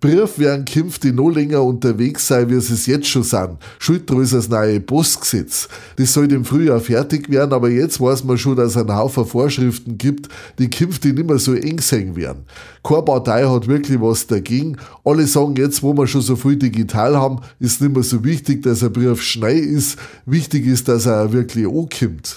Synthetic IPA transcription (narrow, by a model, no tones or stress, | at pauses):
b̥ʁɪɐfveɐnkʰɪmftd̥iːnoːlɛŋɐʊntɐveːksːaɪviɐsesjɛt͡stʃoːsaɪn | ʃʊlt̚d̥ʁøs̬ɐsnaɪeb̥osksɛt͡s | d̥esːɔltɪmfʁyːjɑːɐfɛɐtɪçveːɐnɑːbɐjɛt͡stv̥ɑɐsmɐʃoːdassaɪnhaʊfəfoːɐʃʁɪftn̩ɡiːptd̥iːkʰɪmftd̥iːnɪmɐsoːʔɛŋsɛŋvḛːɐn̩ | kʰoɐpɑtʰaɪhɑtvɪɐkʰlɪçvɑsd̥ɐɡeːɡŋ̩ʔɑlesɑːɡŋ̩jɛt͡stvoːmɐʃosoːfʁyːdiɡitʰaːlhɑbm̩ɪsnɪmɐsoːvɪçtɪk̚d̥asəbʁiɐfʃnaɪɪs | vɪçtɪçɪsd̥asɐvɪɐkʰlɪçoːkʰɪmt